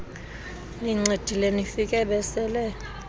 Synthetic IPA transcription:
niŋ͡ǀed̥ʱilenifik̬ʼɛɓɛsɛlɛ

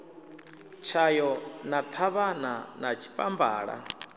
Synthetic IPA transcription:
t͡ʃʰajɔnat̪ʰaβananat͡ʃʰi̥pʼamba̰ːɺa̰

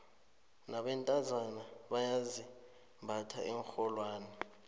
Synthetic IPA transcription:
naɓɛntʼazanaɓajazi | mbʱatʰa̰ʔɛŋxɔlwaːnɛ

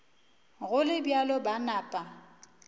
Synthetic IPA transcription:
ɣʊlɪbjalɔbanaːpʼa

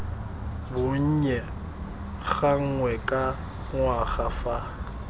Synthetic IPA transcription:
bʊɲ̩ɲɛ | ɣaŋ̩ŋwɛkʼa | ŋwaχafa

